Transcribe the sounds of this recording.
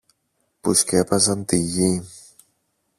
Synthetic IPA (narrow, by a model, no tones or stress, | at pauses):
puscepɐsɐnt̪iʝi